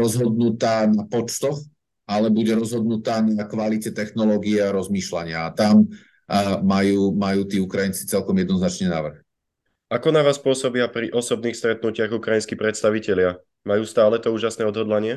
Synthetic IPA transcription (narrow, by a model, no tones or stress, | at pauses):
ɾɔzɦɔd̪nut̪aːnapɔt͡ʃt̪ɔx | alɛbuɟɛɾɔzɦɔd̪nut̪aːnakʋalicɛt̪ɛxnɔlɔːɡiɛaɾɔzmiːʃlaɲɪaːt̪amː | ajuːmajuːt̪iːukɾajint͡si̥t͡sɛlkɔmjɛd̪nɔznat͡ʃɲɛna̰ːʋr̩x | akɔnaʋaːspʊɔsɔbiapɾiʔɔsɔb̚niːxst̪ɾɛt̪̚nucɪaɣukɾajinskipɾɛt̪st̪aʋicɛlɪa | majuːst̪aːlɛt̪ɔuːʒasnɛːɔd̪ɦɔd̪laɲɪɛ